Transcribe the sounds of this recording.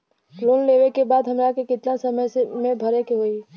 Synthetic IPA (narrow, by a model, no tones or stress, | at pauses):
lonleʋekebad̪ɦəmɾakekɪt̪nasəməjsemebʱəɾekeɦoi